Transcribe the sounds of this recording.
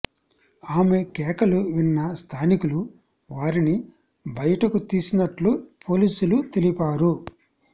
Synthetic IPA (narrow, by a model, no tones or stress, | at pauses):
aːme̞kɛːkɐluʋinːɐst̪ʰaːnikulu | ʋaːɾini | bɐjɐʈɐkut̪iːsinɐʈlupʰo̞ːliːsulut̪e̞lipaːɾu